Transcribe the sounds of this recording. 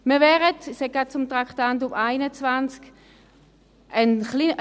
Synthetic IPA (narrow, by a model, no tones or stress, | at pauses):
məvɛʁətɪshɛk̚ɡat̚t͡sʊmt̪ʁakʰtant̬ʊpaɪnət͡svant͡sk | ʔənχli